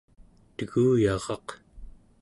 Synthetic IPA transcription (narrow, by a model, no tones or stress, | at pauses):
t̪əɣuːjɑʁɑq